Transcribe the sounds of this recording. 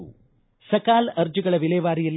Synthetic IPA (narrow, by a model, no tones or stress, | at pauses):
ṵ | sɐkaːlɐɾd͡ʒɯɡɐɭɐʋileːʋaːɾijɐl